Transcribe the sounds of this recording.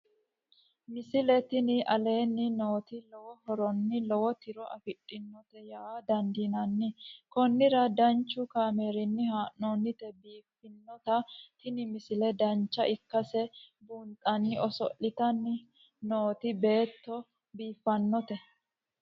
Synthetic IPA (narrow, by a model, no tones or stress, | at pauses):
mɪsɪlɛt̪ɪnɪʔɐle̞ːnːɪno̞ːt̪ɪlɔwɔhɔɾɔnːɪlɔwɔt̪ɪɾɔʔɐfɪᶑʼːɪnːɔt̪ɛjaːd̪ɐnd̪inɐnːɪkɔnːɪɾɐd̪ɐnt͡ʃːʊkaːmeːɾɪnːɪhaːʔoːnːɪt̪ɛbiːfːɪnːɔt̪ɐt̪ɪnɪmɪsɪlɛd̪ɐnt͡ʃːɐʔɪkːɐsɛbuːnt̪ʼːɐnːɪɔsɔ̰ʔːɪt̪ɐnːɪ | no̞ːt̪ɪbe̞ːt̪ːɔ | biːfːɐnːɔt̪ɛ